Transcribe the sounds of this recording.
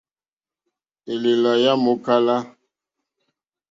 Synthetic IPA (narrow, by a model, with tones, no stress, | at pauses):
e˨le˨la˨ja˦mo˨˦ka˦la˦